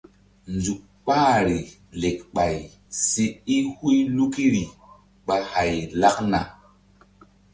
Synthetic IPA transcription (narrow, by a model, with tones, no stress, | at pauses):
nd͡zu˨k̚k͡paː˦˨ɾi˨ | le˨k̚ɓa˨j | si˧i˦hu˦jlu˦ki˦ɾi˨ | ɓa˧ha˨jla˦kna̰˨